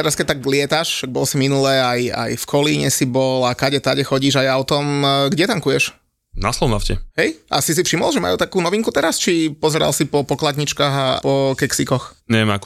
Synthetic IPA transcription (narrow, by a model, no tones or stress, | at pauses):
tɛɾaskɛc̚t̪aɡlɪɛt̪aʃʃaɡ̚bɔlsiminulɛaja̰jfkʰɔliɲɛsibɔlakaɟɛt̪aɟɛxɔɟiːʒajaʊt̪ɔmɡɟɛt̪aŋkujɛʃ | naslɔʊnafcɛɦɛjʔa̰sis̬ifʃimɔlˠʒɛma̰jut̪akuːnɔʋiŋkut̪ɛɾast͡ʃipɔzɛɾa̰lsipɔpɔklad̪ɲit͡ʃkaːɣapɔkɛksikɔxɲɛʋɛma̰kɔ